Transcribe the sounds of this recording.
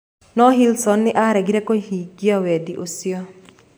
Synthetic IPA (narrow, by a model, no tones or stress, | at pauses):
nɔɦilsɔnːɪʔaɾɛɡiɾɛkohiɡjawɛd̪iʔosjɔ